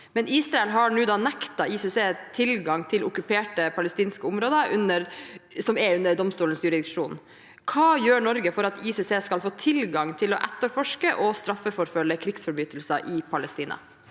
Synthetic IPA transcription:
mɛniːsɾɑɛlɦɑɳuːd̪ɑːnækt̪ɑiseseːt̪ʰɪlɡɑŋt̪ʰɪlʔʊkʉpʰeːʈəpʰɑləst̪iːnskəʊmɾoːd̪əʔʉnəɾsɔmɛʉnəɾɖ̪ɔmst̪uːlənsjʉɾɪd̪ɪkʂuːn | kʰɑːjøːɳɔɾɡəfɔɾɑt̪iseseːskɑlfoːt̪ʰɪlɡɑŋt̪ʰɪlɔʔɛt̪ːəɾfɔʂkəʔɔst̪ɾɑfːəfɔɾfœlːəkʰɾɪksfɔɾbyːt̪l̩sɑʔɪpʰɑlɛst̪iːnɑ̰

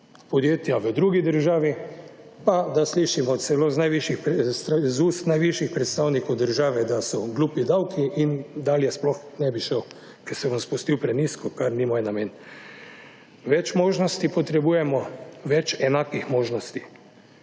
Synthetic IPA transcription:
pɔd̪jeːt̪jaʋəd̪ɾuːɡid̪əɾʒaːʋi | pad̪asliːʃimɔsɛloznajʋiʃixst̪zuːst̪najʋiʃixpɾɛt̪st̪awnikɔwd̪əɾʒaːʋɛd̪asɔɡluːpid̪awkʰiʔind̪aːljɛsplɔx | nɛbiʃəw | kɛsɛbɔnspust̪iwpɾɛniskɔkaɾnimoːjnameːn | ʋɛt͡ʃmoːʒnɔst̪ipɔt̪ɾɛbuːjɛmɔʋɛt͡ʃɛnaːkixmoːʒnɔst̪i̥

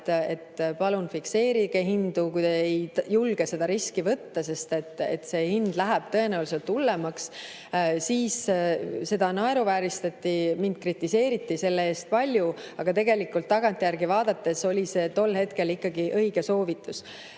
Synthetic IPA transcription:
e̞t̪pɑlunfikse̞ːɾiɡehind̪̥ukujd̪eejjulɡ̥ese̞d̪ɑɾiskivɤt̪ːɑse̞st̪e̞t̪ːˑḛt̪se̞ːhind̪̥læɦæb̥t̪ɤ̞e̞næuwliselt̪ːulːemɑks | siːsse̞d̪̥ɑnɑe̞ɾuvæːɾist̪ɑt̪ːimind̪̥̚krit̪ːise̞ːɾit̪ːise̞lːee̞ːst̪̚pɑlʲjuɑɡ̥ɑt̪e̞ɡe̞likːˑult̪ːɑɡ̥ɑnt̪ˑjærɡivɑːd̪ɑt̪ːe̞so̞lʲise̞ːt̪o̞lːɦe̞t̪ke̞likːɑɡiʔɤ̞iɡ̥e̞so̞ːvit̪ːˑus

